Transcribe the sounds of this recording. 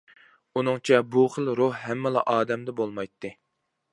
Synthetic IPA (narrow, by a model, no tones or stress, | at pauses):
unɨŋt͡ʃʰɛbuχəlˠɾohɦɛmːɛlˠɑʔɑːd̪ɛmd̪ɛbolˠmɑjt̪ʰːɨ